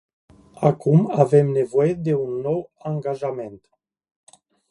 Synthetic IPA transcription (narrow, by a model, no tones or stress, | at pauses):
akumavemne̞vo̞jed̪e̞unːo̞waŋɡaʒame̞nt̪